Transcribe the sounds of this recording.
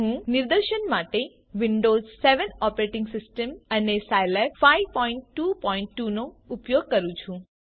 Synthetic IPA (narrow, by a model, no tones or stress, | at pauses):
ɦũnɪɾd̪əɾʃənmaʈe | ʋɪɳɖoːzseʋənɔpɾeʈɪŋɡsɪsʈəmənesajlepfajʋpɔiɳʈːupɔiɳʈːunoʊpjoɡ̚kəɾũt͡ʃʰũ